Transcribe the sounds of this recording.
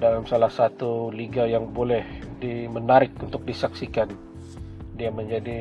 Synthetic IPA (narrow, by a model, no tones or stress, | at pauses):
dalamsalahsat̪uliɡajaŋbolɛhdimənaɾɪkunt̪ʊk̚disaksikan | diaməɲd͡ʒadi